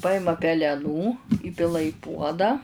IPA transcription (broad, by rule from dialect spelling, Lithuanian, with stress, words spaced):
ˈpɐɪmɐ pʲɛlʲɛˈnuː ˈiːpʲɪlˠɐ ɪ ˈpuɔdɑː